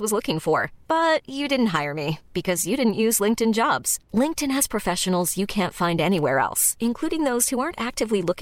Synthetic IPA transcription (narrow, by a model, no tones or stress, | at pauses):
wʌzlʊkɪ̃ŋfə˞b̥ʌt͡ʃɨdɪdⁿn̩tɦaɪə˞mib̥ɨkʰʌzjɨɾɪdⁿn̩ʔjʉzlɪ̃ŋk̚tɨ̃nd͡ʒɑbz̥lɪ̃ŋk̚tɨ̃nɨz̥pʰɹ̥ɨfɛʃɨn̩l̩ˠzjɨkʰæ̃ntfãɪ̃ndɛñiwɛ̰ɹɛ̰lˠsɨ̃nkʰl̥uɾɪ̃ŋðoʊz̥huɑɹntæk̚tɨvlilʊk